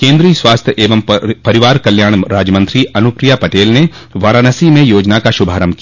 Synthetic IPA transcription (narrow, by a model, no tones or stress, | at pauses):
kẽːnd̪ɾiːswaːst̪ʰjəʔeːʋəmpɐɾɪʋaːɾkɐljãːɾaːd͡ʒəmə̃nt̪ɾiɐnʊpɾijapɐʈeːlne | ʋaːɾaːnəsimẽjoːd͡ʒnakaʃʊbʱaːɾəmki